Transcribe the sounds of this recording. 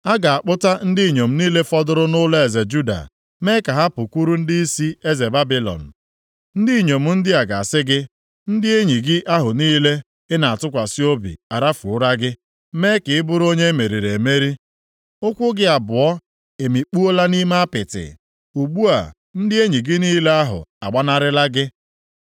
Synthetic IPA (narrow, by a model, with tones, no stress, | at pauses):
a˦ɡa˨a˨k͡pʊ˦ta˦n̩˦dɪ˦i˨ɲo˨m̩˦niː˦le˦fɔ˦dʊ˦ɾʊ˦nʊ˦la˦e˨ze˨d͡ʒu˦da̰˨ | me˦ka˨ɦa˦pʊ˨ku˦ɾu˦n̩˦dɪ˦i˦si˦e˦ze˨ba˦bi˦lɔ̰˨n̩˨ | n̩˦di˦˨ɲo˨m̩˨n̩˦dɪ˦a˨ɡa̰˨a˨sɪ˦ɡɪ˦ | n̩˦dɪ˦e˦ɲi˨ɡɪ˦ʔa˦ɦʊ˨niː˦le˦ | ɪ˦na˨a˨tʊ˦kʷa˨si˦o˦bḭ˨a˨ɾa˦fṵ˨˦ɾa˦ɡɪ˦ | me˦kɪ˨ɪ˦bʊ˦ɾo˦ɲe˦me˨ɾi˨ɾe˨me˦ɾi˦ | ʊ˦kʷʊ˦ɡɪ˦a˨bʊ˨ɔ˦ | e˨mi˨k͡pu˦o˦la˦ni˦ma˦a˦pɪ˨tɪ̰˨ | u˨ɡ͡bu˦a̰˨ | n̩˦dɪ˦e˦ɲi˨ɡɪ˦niː˦le˦a˦ɦʊ̰˨a˨ɡ͡ba˦na˦ɾɪ˦la˦ɡɪ˦